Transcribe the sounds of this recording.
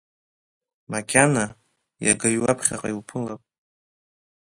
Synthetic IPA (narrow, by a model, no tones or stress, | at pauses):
makʲʰana | jaɡajɥwapʰχʲa̰qʼaiwpʰɨlapʼ